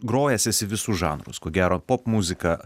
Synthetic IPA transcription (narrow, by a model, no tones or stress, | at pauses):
ɡɾoːjɛsʲɛsʲɪʋʲɪsuʒɑ̰ːnɾʊ̰skoːɡʲæːɾoːpoːpmuzʲɪkɐ